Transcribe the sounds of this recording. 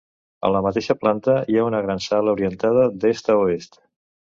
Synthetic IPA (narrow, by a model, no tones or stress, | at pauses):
ə̰ləmət̪eʃəplant̪əiaunəɣɾansaləuɾiənt̪að̞əd̪est̪əoest̪